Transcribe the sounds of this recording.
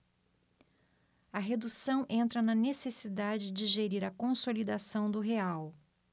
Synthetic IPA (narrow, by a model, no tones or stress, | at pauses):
ɐɦed̪usɐ̃w̃ʔẽnt̪ɾɐnɐnesesid̪ad͡ʒɪd͡ʒɪʒeɾiɾɐkõsolid̪asɐ̃w̃d̪ʊɦeaw